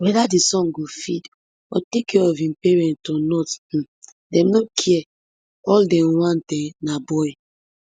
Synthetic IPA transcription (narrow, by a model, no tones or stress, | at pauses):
wɛdadisɔ̃nɡofid | ɔ̰tekɛɔvĩmpɛɹɛ̃ntɔnɔt̩ | dɛ̃mnokʰiɛ | ɔldɛ̃wãntɛ̃nabɔj